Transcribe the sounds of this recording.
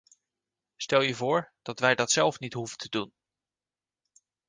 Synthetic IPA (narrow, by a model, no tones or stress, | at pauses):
stɛlˠjəvʊːɹd̥ɑtʋɛjdɑtsɛlˠfnitɦuvətʰədun